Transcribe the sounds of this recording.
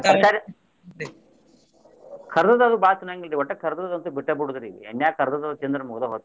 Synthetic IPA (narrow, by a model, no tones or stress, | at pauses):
asaːɾ | kʰɐɾd̪ɐt̪ɐd̪ubaːt͡ʃunaŋɡilɾiʋɐʈːɐkʰɐɾd̪ɐt̪ɐd̪ɐnt̪ubiʈːɐbuɽud̪ɐɾiʋḭḛnːjaːkɐɾd̪ɐd̪ɐd̪ut͡ʃend̪ɾɐmuɡd̪ɐɦoːt̪ː